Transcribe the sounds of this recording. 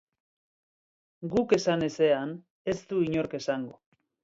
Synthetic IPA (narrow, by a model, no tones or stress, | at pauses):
ɡuke̞sane̞se̞an | e̞st̪uiɲo̞ɾke̞saŋɡo